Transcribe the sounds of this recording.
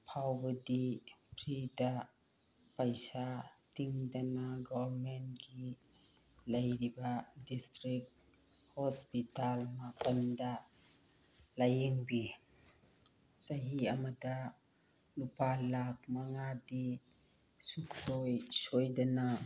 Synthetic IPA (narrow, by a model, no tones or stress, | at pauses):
pʰawbɐdipʰɾida | pajsatiŋdanaɡɔbɾmentɡi | lɐjɾibadistɾik̚ | hɔspitalmapɐnda | lajiŋbi | zaɦiamada | lupalak̚maŋadi | sukʰsojsojdana